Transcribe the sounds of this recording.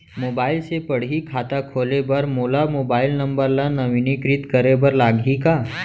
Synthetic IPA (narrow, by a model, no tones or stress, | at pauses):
moːbaːɪlsepɐɽ̤ikʰaːt̪akʰoːlebɐɾmoːlamoːbaːɪlnɐ̃mbəɾlanɐʋinikɾɪt̪kəɾebəɾlaːɡʱikaː